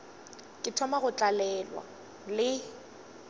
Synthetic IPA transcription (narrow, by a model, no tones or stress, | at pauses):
kʼɪtʰɔmaɣʊt͡ɬʼalɛlwa̰ | lɪ